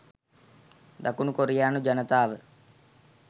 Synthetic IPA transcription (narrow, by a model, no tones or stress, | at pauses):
d̪akunukoɾijaːnud͡ʒɐnət̪aːʋə